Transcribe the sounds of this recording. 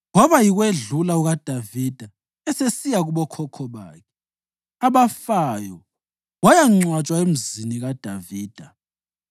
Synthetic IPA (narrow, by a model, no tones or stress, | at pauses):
ŋɔβajiɣweɮulauɣad̥ʱavid̥ʱa | ɛsesijaɣuβɔkʰɔkʰɔβa̰ːkʰɛ | aβafajɔ | wajaŋ͡ǀwat͡ʃʼwaem̩ziniɣad̥ʱaviːd̥ʱa